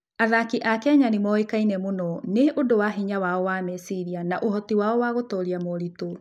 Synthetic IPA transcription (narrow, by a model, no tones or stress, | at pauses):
aðakiʔakɛɲanimɔekainɛmonɔneʔodowaɦiɲawaɔwaːmɛsiɾianaʔohɔtiwaɔwaɣotɔːɾiamoɾito